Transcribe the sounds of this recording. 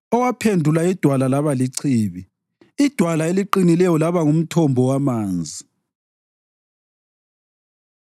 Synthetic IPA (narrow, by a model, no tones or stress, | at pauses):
ɔwapʰendʱulaid̥ʱwalalaβaliǀʰiːβi | id̥ʱwalaeliǃinilɛjɔlaβaŋum̩tʰɔmbʱɔwamaːnd͡zʱi